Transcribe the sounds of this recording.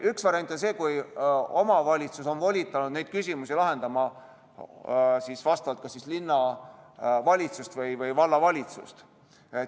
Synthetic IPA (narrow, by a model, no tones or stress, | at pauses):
yksvɑɾiɑnʲt̪ːˑonse̞ːkujo̞mɑvɑlʲit̪suso̞nvolʲit̪ːˑɑnud̪ne̞jd̪̥kysʲimusilɑɦe̞nd̪ɑmɑ | sisvɑst̪ɑvɑlt̪̚kɑsislinːɑ | vɑlʲit̪sust̪vɤjvɤjvɑlːɑvɑlʲit̪sṵst̪ | e